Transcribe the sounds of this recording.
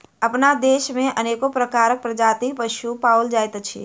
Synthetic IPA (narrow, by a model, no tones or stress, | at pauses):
əpnad̪eʃmeʔənekopɾəkaɾək̚pɾəd͡ʒat̪ipəʃupauld͡ʒajt̪t͡ʃʰḭ